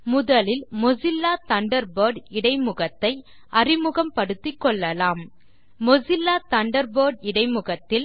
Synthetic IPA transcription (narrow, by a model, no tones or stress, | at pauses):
mʊðɐlɪlmɔsɪlːaːt̪ɐɳɖɐɾboːɾɖɪɽɐɪmɯɣɐt̪ːɐɪ | ʔɐrɪmʊɣɐmpɐɽɯt̪ːɪkːɔɭːɐlaːmː | ɔsɪlːaːt̪ɐɳɖɐɾboːɖɪɽɐɪmɯɣɐt̪ːɪl